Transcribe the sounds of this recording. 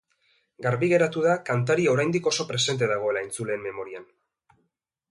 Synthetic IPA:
ɡaɾβiɣe̞ɾat̪uðakant̪aɾiao̞ɾajnd̪iko̞so̞pɾe̞se̞nt̪̬e̞ðaɣ̞o̞e̞laent͡sule̞ːmme̞mo̞ɾian

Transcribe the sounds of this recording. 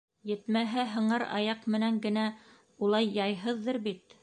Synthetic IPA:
jɘ̆t̪mæɦæɦɤ̆ɴɑɾɑ̰jɑqmɘ̆næŋɡɘ̆næ | ulˠɑjːɑjɦɤðːɤɾbit̪

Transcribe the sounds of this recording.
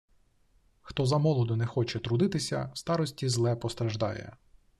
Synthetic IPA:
xt̪ɔzɐmɔlˠɔd̪ʊnɛxɔt͡ʃɛt̪ɾʊd̪ɪt̪ɪsʲɐ̰st̪ɑɾɔsʲtʲizlˠɛpɔst̪ɾɐʒd̪ɑ̰jɛ̰

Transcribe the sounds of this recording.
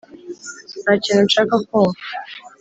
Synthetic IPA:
naciːnunʃakakuŋu

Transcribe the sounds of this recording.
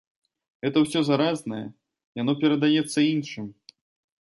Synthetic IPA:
ɣɛt̪ɐwsʲɔzaɾaznɐjɐ | janɔpʲɛɾɐd̪ajɛt̪sːɐinʂɨm

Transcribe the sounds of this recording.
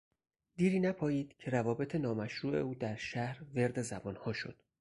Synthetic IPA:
d̪̥iːɾiːnæpʰɒːjiːd̪̥cʰe̞ɾævɒːbe̞t̪ʰe̞nɒːmæʃɾuːʔe̞̰uːd̪æɾʃæhɾve̞ɾd̪e̞zæbɒːnhɒːʃo̞̰d̪̥

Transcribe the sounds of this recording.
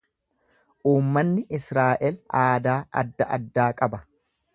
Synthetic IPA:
ʔuːmːɐnːɪʔɪsɾaːʔɛlaːd̪aːʔɐ̰d̪ːɐʔɐ̰d̪ːaːkʼɐbɐ

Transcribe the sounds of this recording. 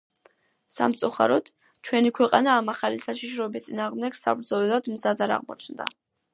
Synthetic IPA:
sa̰mt̪sʼuχa̰ɾɔd̪̥ | t͡ʃʰwɛnikʰwɛqʼanaːmaχalisaʃiʃɾɔɛbist̪sʼinaːʁmd̪ɛɡsa̰bɾd̪zɔlɛlˠad̪mzad̪aɾa̰ʁmɔ̰t͡ʃʰnd̪a̰

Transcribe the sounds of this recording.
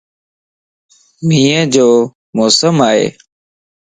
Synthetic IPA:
mĩːə̃d͡ʑoː | mɔːsəmaːɦḛː

